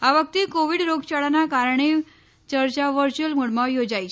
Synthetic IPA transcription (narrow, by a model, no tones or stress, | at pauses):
aʋəkt̪ekoʋiɽɾoɡt͡ɕaɽanakaɾəɳ̃e | t͡ɕəɾt͡ɕaʋəɾt͡ɕuəlmuɽmaʋjod͡ʑajt͡ɕʰe